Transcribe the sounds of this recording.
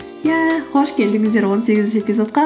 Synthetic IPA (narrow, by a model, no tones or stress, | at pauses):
jæχoʃkʲe̞ld̪ɪŋɪzd̪eɾwonseɡʲɪzʃepʲizot̪̚qɑ